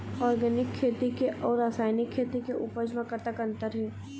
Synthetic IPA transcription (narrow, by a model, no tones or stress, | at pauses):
ɔːɾɡɛːnɪkʰːeːt̪ikeʔɔːɾɾːaːsaːɪnɪkʰːeːt̪ikeʔupəd͡ʒmẽkɐt̪əkɐ̃nt̪əɾɦɛː